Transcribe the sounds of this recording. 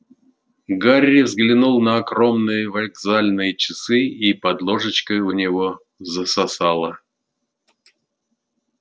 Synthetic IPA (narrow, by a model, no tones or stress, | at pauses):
ɡaɾʲːɪvzɡlʲɪnulˠnəɐkɾo̞mnɨjəvɐlʲɡzalʲnɨjət͡ɕɪsɨipɐd̪lˠo̞ʐɨt͡ɕkəʊnʲɪvo̞ | zəsɐsalˠə